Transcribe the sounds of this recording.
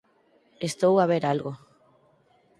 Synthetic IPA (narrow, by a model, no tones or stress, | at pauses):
est̪owaβ̞eɾalɣo